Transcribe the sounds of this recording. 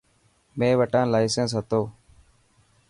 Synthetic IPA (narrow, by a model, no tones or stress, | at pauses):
mẽːʋəʈãːnlaːisə̃ns̬ɦət̪oː